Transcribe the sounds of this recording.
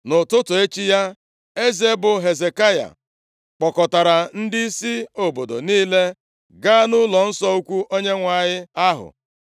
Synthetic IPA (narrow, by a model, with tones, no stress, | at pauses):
nʊ˨tʊ˦tʊ˨e˦t͡ʃi˦ja˦ | e˦ze˨˦bʊ˨ɦe˨ze˨ka˦ja̰˨ | k͡pɔ˨kɔ˨ta˨ɾa˨n̩˦dɪ˦i˦si˦o˨bo˨do̰˨niː˦le˦ | ɡa˦nʊ˦lɔ˨n̩˦sɔ˦u˦kʷu˦ʔo˦ɲe˦ŋʷa˨ɲɪ˦a˦ɦʊ̰˨